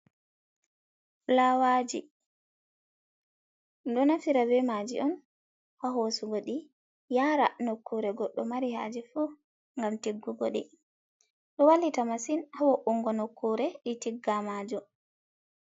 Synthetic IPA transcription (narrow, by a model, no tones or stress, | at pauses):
lawad͡ʒḭ | dɔnafiɾabɛmad͡ʒḭʔɔn | haɦosuɡoɗi | jaːɾanokːuɾɛɡɔɗːɔmaɾiha̰d͡ʒɛfu | ŋɡamtiɡːuɡoɗɛ | ɗɔwalːitamasinhawɔʔuŋɡɔnokːuɾɛɗitiɡːamad͡ʒɔ